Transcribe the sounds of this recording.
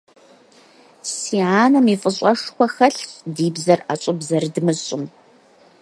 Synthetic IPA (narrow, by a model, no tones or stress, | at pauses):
siːʕaːnɐmifʼɨɕʼɐʂxʷɐxɐɬdiːbzɐrat͡ʃʷʼʊbzɐrdɨmɨɕʼʊm